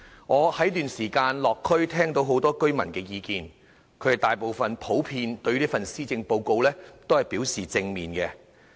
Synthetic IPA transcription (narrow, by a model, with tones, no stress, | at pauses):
ŋɔː˨˧hɐ˨˥jt̪yː˨nsiː˨˩kaː˧nlɔː˨˩kʰːɵ˥ɥt̪ʰɛː˥ŋt̪o˧wɦo˨˥wt̪ɔː˥kɵ˥ɥmɐ˨˩nkɛː˧jiː˨˧kiː˧n | kʰɵ˨˧ɥhɐ˨t̪aː˨jpo˨wfɐ˨npʰo˨˥wpʰiː˧nt̪ɵ˧ɥliː˥fɐ˨nsiː˥t͡sɪ˧ŋpo˧wko˧wlɛː˥t̪o˥whɐ˨jpi˨˥wsiː˨t͡sɪ˧ŋmiː˨nkɛ˧